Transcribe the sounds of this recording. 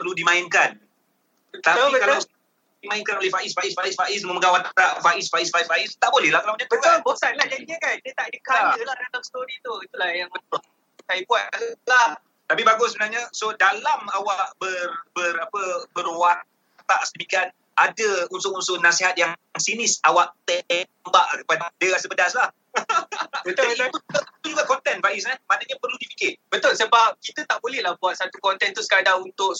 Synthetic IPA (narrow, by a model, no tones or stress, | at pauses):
pərludimãɪnkan | t̪aiikalaws | dimãɪnkanolɛhfaʔɪsfaisfaisfaʔɪs̬dməməɡawat̪aʔfaʔɪsfaisfaisfaɪst̪aʔbolɛhlahkalawnɲat̪ukabosanlahd͡ʒadiɲəkandət̪aʔdəkaəlahdalamst̪oɾit̪uit̪ulahjaŋməno | sajibuatlah | t̪apibaɡʊssəbənarɲasodalamawaʔbərbərapəbərwan | t̪aʔsədəmikan | ʔadəunt̪ʊʔkunsʊʔnasiɦat̪̚jaŋsinɪsawaʔt̪ɛ | baʔkəpadadəɣasəbədaslah | ət̪sapuuat̪ud͡ʒuɡaʔkɔnt̪ɛnfaisɲamanəɲapərludifikɪb̥ət̪ʊlsəabaʔ̚kit̪ət̪aʔbolɛhlahbuat̪̚sat̪ukɔnt̪ɛnt̪usə̥kadaŋunt̪ʊʔ